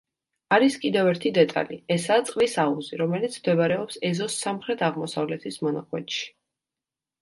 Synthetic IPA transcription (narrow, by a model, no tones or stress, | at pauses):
aɾiskʼid̪ɛvɛɾt̪ʰid̪ɛt̪ʼa̰liɛsaːt̪sʼqʼlisauziɾɔmɛlit̪sʰmd̪ɛvaɾɛɔpsɛzɔsːamχɾɛt̪ʰaʁmɔsavlɛt̪ʰismɔnaχʰwɛ̰t̪ʃi̥